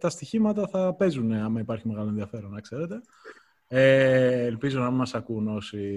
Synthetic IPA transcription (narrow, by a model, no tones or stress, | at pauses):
t̪ɐst̪içimɐt̪ɐθɐpe̞zuneɐmɐipɐɾçime̞ɣɐlo̞enðiɐfe̞ɾo̞nɐkse̞ɾe̞t̪e̞ | eːlpizo̞nɐmimɐsɐkuno̞si